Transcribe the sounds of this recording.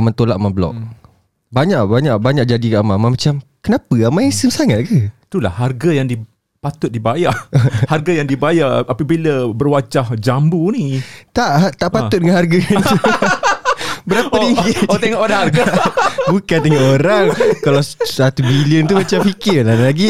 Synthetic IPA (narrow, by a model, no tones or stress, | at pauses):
amant̪olaʔmablɔ̰ʔ̚ | baɲaʔbaɲaʔbaɲaʔ̚d͡ʒadikaʔamãmãmat͡ʃamkənapəamãesəmsaŋat̪̚kət̪ula̰hharɡajaŋdi | pat̪ʊt̪̚dibajaharɡajaŋdibajaʔapəbiləbərwat͡ʃahd͡ʒambunit̪aʔat̪aʔpaʊt̪̚dəŋanhɦarɡau | bəɾapəɾiŋɡit̪eŋɔʔadaharɡabukand̪əŋaʔoɾaŋkalawsat̪ubiliənt̪umat͡ʃamfikɪrlalaɡi